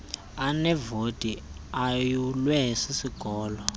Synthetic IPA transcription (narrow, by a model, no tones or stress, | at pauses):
anɛvod̥ʱiajulwɛɦisisiɡ̥ʱɔːlɔ